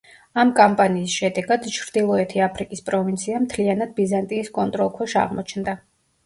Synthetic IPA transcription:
amkʼampʼaniːsʃɛd̪ɛɡad̪̥t͡ʃʰɾd̪ilˠɔɛt̪ʰiapʰɾikʼispʼɾɔvint̪sʰiamt̪ʰlianad̪̚bizant̪ʼiːskʼɔnt̪ʼɾɔlˠkʰwaʃa̰ʁmɔt͡ʃʰnd̪a

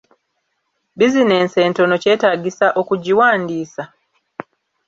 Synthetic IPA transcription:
bizine̞ːnse̞ːnto̞no̞ce̞ːtaːɡisaʔo̞kuɟiwaːndiːsa

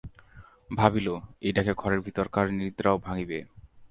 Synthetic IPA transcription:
bʱabiloejʈakeɡʱɔɾeɾbʱit̪oɾkaɾnid̪ɾaobʱaŋibe

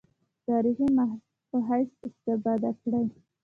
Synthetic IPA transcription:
t̪ɑɾiximah | pəɦajsɪst̪ɪfɑd̪akɽəj

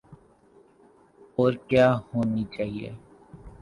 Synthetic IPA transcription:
ɔːɾkjaːhoːnit͡ʃaːɦiḛ

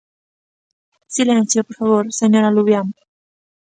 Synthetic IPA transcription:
silenθjopoɾfaβoɾseɲoɾaluβjam

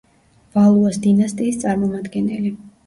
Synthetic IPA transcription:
v̥alˠuasd̪inast̪ʼiːst̪sʼaɾmɔmad̪ɡɛnɛli

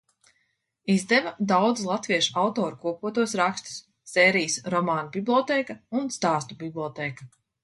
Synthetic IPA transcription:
izd̪ɛvad̪awd̪zlˠat̪viɛʃawt̪oːɾukuɔpuɔt̪uɔsɾakst̪i̥sː | eːɾijsɾɔmaːnubʲiblˠʲɔt̪eːkaunst̪aːst̪ubʲiblˠʲɔt̪eːka

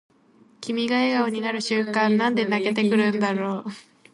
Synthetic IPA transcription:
kʲimʲiɡaeɡaoɲ̟inaɾɯ̟ɕɨ̃kãnːãnd̪e̞naɡe̞t̪e̞kɯ̟ɾɯ̟̃nd̪aɾo̞ː

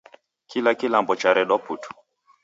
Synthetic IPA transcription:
kilakilambɔt͡ʃaɾɛɗɔputu̥

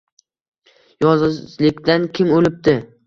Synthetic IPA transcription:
jɒzzlɪkʲd̪ankʲʰɪmolɪp̚t̪ɪ

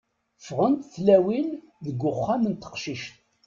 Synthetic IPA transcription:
fʁənt̪θlæwil | ðəɡʷːʊχːamənt̪ə̥qʃiʃt̪

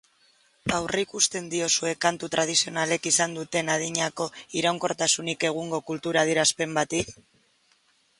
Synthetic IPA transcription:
awreikust̪e̞nd̪io̞sue̞kant̪ut̪ɾað̞isio̞nale̞kisand̪ut̪e̞nað̞iɲako̞iɾawŋko̞ɾt̪asunike̞ɣ̞uŋɡo̞kult̪uɾað̞iɾaspe̞mbat̪ik

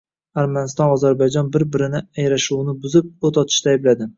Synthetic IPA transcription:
aɾmanɪst̪ɒnɒzaɾbajd͡ʒɒnbɪɾbɪɾɪnɪajɾaʃuwnɪbʊzɪp̚ot̪ʰɒt̪ʰɪ̥ʃt̪aːjblad̪ɪ

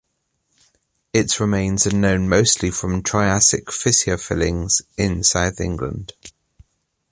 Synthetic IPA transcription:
ɪtɹɪmẽɪ̃nzənə̃ʊ̃nməʊstʰlifɹə̃mtʰɹ̥aɪasɪkfɪsiəfɪlɪ̃ŋz̥ʔɪ̃nsaʊðɪ̰̃ŋɡlə̰̃nd̥

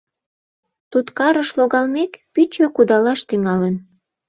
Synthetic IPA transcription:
t̪ut̪kɑɾəʃloɣɑlmekpyt͡ɕøkud̪ɑlɑʃt̪yŋɑlən

